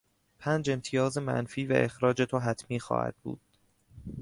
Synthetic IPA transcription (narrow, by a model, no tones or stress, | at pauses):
pʰæːnd͡ʒe̞mt̪ʰijɒːze̞mæ̰nfiːvæ̰ʔe̞xɾɒːd͡ʒet̪ʰoɦæt̪ʰmiːxɒ̰ːhæ̰d̪̥̚bṵːd̪̥